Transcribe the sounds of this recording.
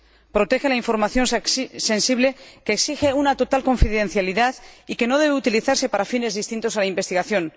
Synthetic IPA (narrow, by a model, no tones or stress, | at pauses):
pɾo̞t̪e̞xe̞laiɱfo̞ɾmaθjo̞nse̞nsiβ̞le̞ke̞ːksixe̞unat̪o̞t̪alko̞ɱfiðe̞nθjaliðaðike̞no̞ð̞e̞β̞eut̪iliθaɾse̞paɾafinezðist̪int̪o̞salaimbe̞st̪iɣaθjo̞n